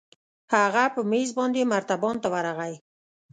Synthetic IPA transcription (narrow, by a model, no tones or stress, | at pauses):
haɣapəmezbɑnd̪emaɾt̪abɔnt̪awaɾaɣaj